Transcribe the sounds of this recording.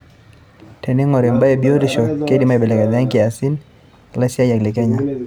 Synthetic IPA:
tɛ˨nɛ˦ŋɔ˨ɾɛ˨mba˦ɛ˨bjo˦ɾi˦ʃɔ˨kɛ˦di˦ma˨bɛ˨lɛ˨ka˨ða˦ŋki˦a˨si˦n | la˦si˦a˦ja˨ɡli˨kɛ˦ɲa˨

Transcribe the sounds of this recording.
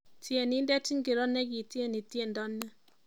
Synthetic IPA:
tje˨ni˦ndɛ˦ti˦ŋke˨ɾɔ˦nɛ˦ki˨tje˦˨ni˨tje˦˨ndɔ˦nːɛ˦

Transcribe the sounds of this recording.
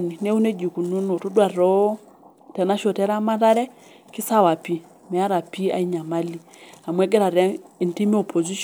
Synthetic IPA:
ni˨nɛ˦u˦nɛ˦d͡ʒi˨ku˨nu˦nɔ˨tɔ˦dwa˨ɾɔ˦ | tɛ˨na˦ʃɔ˨tɛ˦ɾa˦ma˦ta˦ɾɛ˦ | ki˦sa˦wa˨pi˦ | mɛ˨a˦ɾa˨pi˦a̰˨i˦ɲa˨ma˦li˦ | a˨mwɛ˦ɡɛ˦ɾa˨ɾɛ˦i˨nti˦mi˦ɔ˨pʰɔ˨zi˦ʃ

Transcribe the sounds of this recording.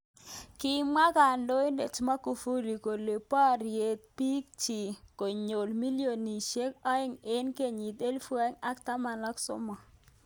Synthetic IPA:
kɪ˦ma˦ka˨ndo˦i˦nde˨t͡ʃma˦ku˨fu˦li˨ko˨le˨pa˦˨ɾje˨t̪̚pi˦k̚t͡ʃi˨ko˨ɲo˨lmi˦ljo˨ni˨ʃe˦ka˦ɪ˦ŋɪ˦nke˨ɲi˨t̪e˦lfu˦a˦ŋa˦kt̪a˦ma˨nɔ˦ksʊ̰˦mɔ˨

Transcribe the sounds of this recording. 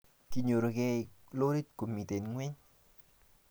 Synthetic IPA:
ki˨ɲo˨ɾo˨kɛ˦˨lo˦ɾi˦tko˨mi˨te˨nŋwɛ˦ɲ

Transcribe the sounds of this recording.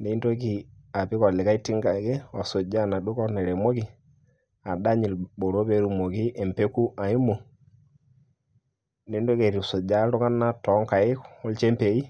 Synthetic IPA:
ne˨˦i˦ndo˦ki˨ | a˨pi˦kɔ˨li˨ka˦i˦ti˦ŋɡa˨ɡe˦wa˨so˨d͡ʒa˦na˨ɗu˦kɔ˦ne˨ɾe˨mo˦ki˦ | a˨da˦ɲi˨lbo˨ɾo˦be˦ɾu˨mo˨ki˦ʔe˨mpe˦ku˦ʔa˨i˦mo˨ | ne˨˦ndo˦ke˨ɾi˨so˨d͡ʒa˦ɾu˦ŋa˦nːa˦tɔ˨˦ŋka˨i˦kɔ˦lt͡ʃe˦mpe˨i˦

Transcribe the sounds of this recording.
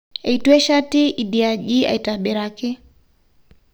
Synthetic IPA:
e˨i˨tu˦ɛ˦ʃa˦tɪ˦ʔi˨di˨a˨d͡ʒi˦a̰˨i˨ta˨ɓɪ˨ɾa˨kɪ˦

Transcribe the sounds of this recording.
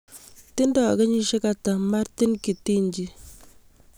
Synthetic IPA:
ti˦ndɔ˨kɛ˦ɲi˦ʃe˦ka˨ta˨ma˦ɾti˦nki˨ti˦ɲd͡ʒi˦

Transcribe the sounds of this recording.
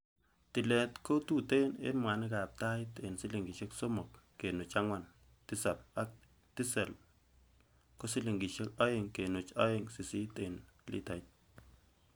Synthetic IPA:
ti˨lɛ˨tko˦tu˦˨te˦nḛ˦nmwa˨nɪ˦ka˨p̚ta˦ɪte˨nsi˦li˨ŋɡi˨ʃe˦kso˦mɔ˨kːe˨nu˨t͡ʃa˦ŋwa˨n | ti˦sa˨p̚a˦k̚ | ti˦sɛ˨l | ko˦si˦li˨ŋɡi˨ʃe˦ka˦je˨ŋke˨nu˨t͡ʃa˦e˦ŋsi˨si˦te˨nlḭ˦ta˨jt̚

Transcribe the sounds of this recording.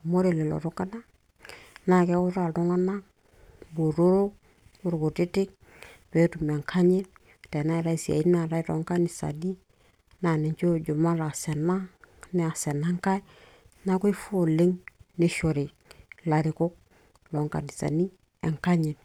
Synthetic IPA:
mo˦ɾe˨le˨lo̰˨ɾu˦ka˦na˦ | na˦ke˦u˦ɾa˨ldo˦ŋa˦na˦ | bo˨ɾo˦ɾo˦ | u˦ɾku˨ti˦tɪ˦k̚ | pe˦tu˨me˨ŋkʰa˦ɲi˦n | te˨na˦i˨ɾa˦i˨si˨a̰˨i˦n˦a˨ɾa˦i˦ɾo̰˨˦ŋka˦ni˨sa̰˨ni˦ | na˨ne˨ɲt͡ʃo˦˨d͡ʒu˨ma˦ɾa˨se˨na˦ni˦a˨se˨na˦ŋka˦j | na˦ku˦i˦fu˦o˨le˦ŋni˦ʃo˨ɾi˨ | la˨ɾi˨kʊ˦k̚ | lo˨ŋka̰˨ni˨sa̰˨ni˦ | e˨ŋka˦ɲi˨n

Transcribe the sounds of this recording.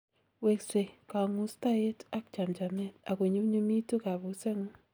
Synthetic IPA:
we˨kse˨ka˨ŋu˦sta˦e˦ta˦k̚t͡ʃa˨md͡ʒa˨mɛ˦t̪a˨kwe˨ɲo˦ɲo˦mi˦to˦ka˨βu˨˦sɛ˦ŋo˦

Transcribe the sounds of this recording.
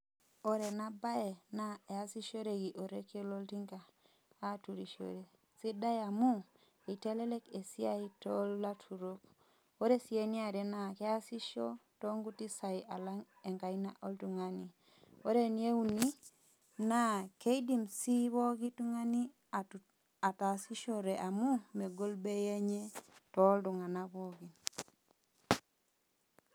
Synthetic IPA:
o˨ɾe˨na˦ba˦e˨na˦e˨a˦si˦ʃo˦ɾe˨ɡi˨ʔo˨ɾe˦ke˦lo˦lti˦ŋɡaː˨˦ | tu˨ɾi˨ʃo̰˨ɾe˨ | si˦da˦ja˨mu˦ | i˨te˦le˦le˦ke˨si˦a˦i˦to˦lːa˦tʰu˨ɾo˦k | o˦ɾe˦si˨e˦ni˦a˨ɾe˨na˨ke˦a˦si˦ʃo˦to˦ŋɡu˦ti˦sa˨i˨ʔa˨la˦ŋ | ɛ˨ŋka˨jna̰˦ʔo˦ldu˨ŋa˦ni˨ | o˦ɾe˦nje˦u˦ni˦ | na˦ke˦i˦di˨msi˦βɔ˦ɡi˦tu˦ŋa˦ni˦ | a˨ta˨si˦ʃo˦ɾe˨ʔa˨mu˦me˨ɡo˦lbe˦ja˦ɲe˦tɔ˦ldu˨ŋa˨na˦bɔ˦ɡi˨n

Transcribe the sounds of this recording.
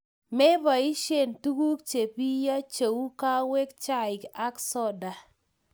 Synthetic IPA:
mɛ˦ba˨i˦ʃe˦˨ntu˦ku˦k̚t͡ʃe˨pi˦ja˦t͡ʃe˨u˦ka˦we˦kt͡ʃa˦ɪ˨ka˦ksɔ˦da˨

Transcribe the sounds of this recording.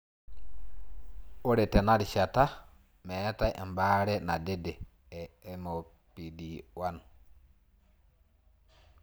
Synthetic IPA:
o˦ɾɛ˨tɛ˨na˦ɾi˨ʃa˨ta˦ | mɛ˨a˦ta˦jʔɛ̰˨mbaː˦ɾɛ˦na̰˨de˦dɛ˨ | ɛ˨mo˨ | pi˨di˨wan

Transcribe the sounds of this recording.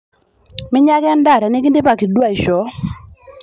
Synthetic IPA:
mɪ˦ɲa˦ɡa˦nda˦˨ɾɛ˨nɪ˦ɡi˦nde˦pa˨ki˨dwa˦˨ɪ˨ʃɔ˨˦

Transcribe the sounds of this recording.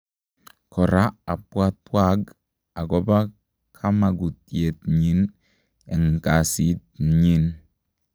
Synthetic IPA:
kɔ˨ɾa˦a˨pwa˦t̚pwa˦k | a˨ɡɔ˦ba˦ | kʰa˦ma˨ɡu˨tje˨tɲi˦n | ɛ˨ŋ˨ka˨si˨˦t̚ɲi˦n

